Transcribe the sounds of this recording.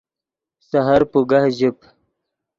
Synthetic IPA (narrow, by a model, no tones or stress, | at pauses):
saɦaɾpuɡahʑip